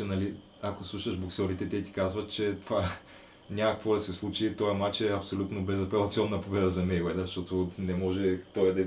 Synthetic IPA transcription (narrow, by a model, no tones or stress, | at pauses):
ɛnɐli | ɐkoslˠuʃɐʒboksʲɔɾit̪ɛt̪ɛt̪i̥kazvɐt̪t͡ʃɛt̪ova | nʲamɐkɐ̥kvod̪ɐsɛslˠut͡ʃit̪ojɐmat͡ʃɛɐpsolʲut̪nobɛzɐpɛlˠɐt̪siɔnːɐpovɛd̪ɐzɐmɛjwɛd̪ɐʃt̪ɔt̪onɛmɔʒɛt̪ɔjɐd̪ɐ